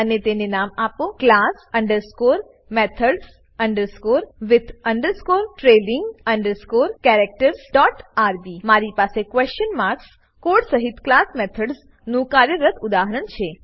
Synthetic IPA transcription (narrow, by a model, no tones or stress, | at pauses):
ənet̪enenamapoklasəɳɖəɾskoɾ | mɛt̪ʰəɖs | əɳɖəɾskoɾʋɪt̪ʰəɳɖəɾskoɾʈɾelɪŋɡəɳɖəɾskoɾkɛɾek̚ʈəɾsɖɔʈaɾbimaɾipasekʋɛst͡ʃənmaɾks | koɖsəɦit̪klasmɛt̪ʰəɖz | nũkaɾjəɾət̪ʊd̪aɦəɾənt͡ʃʰe